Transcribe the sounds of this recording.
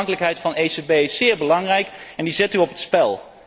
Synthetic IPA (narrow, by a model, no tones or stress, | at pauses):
ŋkələkɦɛjtfɑnejsebejɪsːɪːɹbəlɑŋrɛjkɛndizɛtyɔpətspɛlˠ